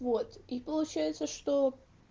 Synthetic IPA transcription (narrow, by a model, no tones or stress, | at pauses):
vot̪ipəlˠʊt͡ɕæjɪt̪səʂt̪o